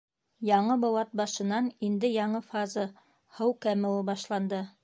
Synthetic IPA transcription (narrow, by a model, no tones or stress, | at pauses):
jɑɴɤbŏwɑt̪̚bɑʃɤ̆nɑnind̪ɘjɑɴɤfɑzɤ | hɤwkæmɘ̆lˠɤbɑʃlˠɑnd̪ɤ